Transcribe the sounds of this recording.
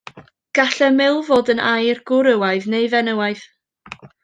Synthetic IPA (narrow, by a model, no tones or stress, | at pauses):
ɡ̥aɬɛmɪlˠvoːdənajrɡ̥ʊɾəwaɨðnejvɛnəwaɨð